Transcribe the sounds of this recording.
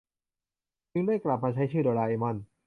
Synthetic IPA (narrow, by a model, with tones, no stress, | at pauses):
t͡ɕɯ˧ŋdaː˥˩jkla˨˩p̚maː˧t͡ɕʰa˦˥jt͡ɕʰɯː˥˩doː˧laː˧ʔeː˧mɔ˥˩n